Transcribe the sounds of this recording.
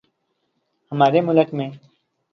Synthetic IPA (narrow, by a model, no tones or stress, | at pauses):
həmaːɾemʊləkmẽː